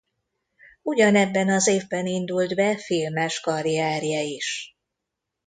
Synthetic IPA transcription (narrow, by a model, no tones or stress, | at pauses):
uɟɒnɛbːɛnɒzeːvbɛnind̪uld̪bɛfilmɛʃkɒɾiaːɾijɛiʃ